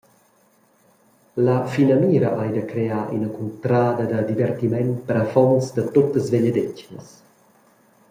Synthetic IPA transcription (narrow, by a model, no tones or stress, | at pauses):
ləfinɐmiːɾəʔajd̪əkɾeaːʔḭnəkunt̪ɾaːd̪ɐd̪əd̪ivɛrt̪imɛnpəɾafɔnsd̪ət̪ot̪əzveʎəd̪ecnə̰s